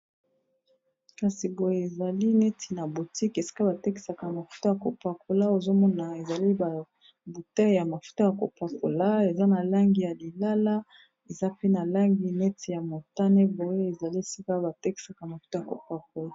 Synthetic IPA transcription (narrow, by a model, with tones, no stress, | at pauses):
ka˨si˨bo˨je˨e˨za˨li˦nɛ˦tʰi˨na˨bu˨ti˦ke˨si̥˦ka˦ba˨te˦ki˨sa˨ka˨ma˨fu̥˦to˦ja˨ko˨pa˨ko˨la˦o˨zo˦mɔ˦na˨e˨za˨li˦ba˨ | bu˨ta˦˨ja˨ma˨fu̥˦to˦ja˨ko˨pa˨ko˨la˦e˨za˦na˨la˦ŋɡi˨ja˨li˨la˦la˦ | e˨za˦pe˦na˨la˦ŋɡi˨nɛ˦ti˨ja˨mo˨ta˦ne˦bo˨je˦e˨za˨li˦e˨si˦ka˦ba˨te˦ki̥˨sa˨ka˨ma˨fu˦ta˦ja˨ko˨pa˨k̚o˨la˦